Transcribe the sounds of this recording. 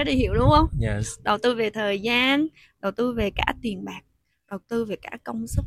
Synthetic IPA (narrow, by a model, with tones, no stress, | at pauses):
ɗi˨˩hḭ˧˨əwɗʊ˧˦ŋ͡mhə˧wŋ͡mɗə˨˩wt̪ɨ˧ve˨˩t̪ʰəː˨˩jzaː˧n | ɗə˨˩wt̪ɨ˧ve˨˩ka̰ː˧˥t̪i˨˩ənɓaː˨˩k̚ | ɗə˨˩wt̪ɨ˧ve˨˩ka̰ː˧˥kə˧wŋ͡msɨ˦˥k͡p̚